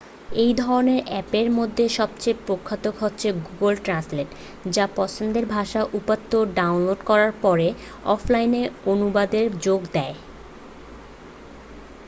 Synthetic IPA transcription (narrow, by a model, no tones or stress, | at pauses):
ejd̪ʱɔɾoneɾɛpeɾmod̪ʱːeʃɔb̚t͡ɕepɾokʰːat̪okɦotːɕʰeɡuɡolʈɾansleʈ | d͡ʑapɔt͡ɕʰond̪eɾbʱaʃaʔupat̪ːoɖawnloɖkɔɾaɾpɔɾe | ɔfʰlajneonubad̪eɾd͡ʑoɡd̪ɛe